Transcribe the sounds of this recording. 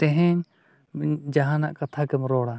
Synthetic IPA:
t̪ɛɦɛɲ | d͡ʒaɦãnaʔkat̪ʰakɛmɾɔɽa

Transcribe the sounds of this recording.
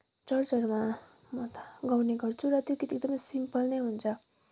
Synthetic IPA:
t͡sʌrt͡sʌrma | mʌt̪ɡawneɡʌrt͡sʰuɾʌt̪jokit̪ieɡ̚d̪ʌmʌjsimpʌlnejɦunt͡sʰʌ

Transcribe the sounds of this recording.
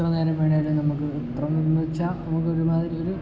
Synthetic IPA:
rɐneːlɐmʋeːɳajilunɐmːukːɨ | prɐmit͡ɕːanɐmukːɨoɾumaːðiɾioɾu

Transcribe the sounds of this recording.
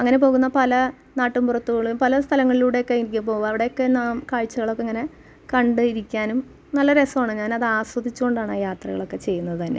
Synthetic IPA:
ɐŋːɐne̞po̞ːɣunːɐpɐlɐ | naːʈːumburɐt̪ːuɣɐɭumpɐlɐst̪ʰɐlɐŋːɐɭiluːɽe̞jokːeiɾikʲːumpo̞ːʋaːnɐʋiɽe̞jokːe̞namkaːɻt͡ɕːɐɣɐɭo̞kːeŋːɐne̞ | kɐɳɖɨiɾikʲːaːnum | nɐlːɐɾe̞sɐmaːɳɨɲaːnɐðɨaːswɐd̪ʱit͡ɕːuɣo̞ɳɖaːɳajaːt̪rɐ̰ɣɐɭo̞kːe̞t͡ɕe̞jːunːɐðɨt̪ɐnːe̞̰

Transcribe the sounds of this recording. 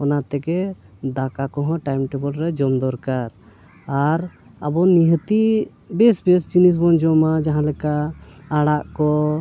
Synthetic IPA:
ɔnat̪ɛkɛ | d̪akakɔɦɔ̃ʈajmʈɛbɔlɾɛd͡ʒɔmd̪ɔɾkaɾ | aɾ | a̰bɔniɦət̪i | bɛsbɛs̬t͡ʃinis̬bɔnd͡ʒɔmad͡ʒaɦãlɛkaːɽaʔkɔ

